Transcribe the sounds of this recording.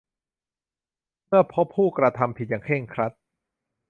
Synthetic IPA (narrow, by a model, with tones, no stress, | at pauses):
mɯ˥˩ɐpʰo˦˥pʰːuː˥˩kɾa˧t̪ʰa˧mpʰi˨˩t̪̚jaː˨˩ŋkʰeː˥˩ŋkʰɾa˦˥t̪̚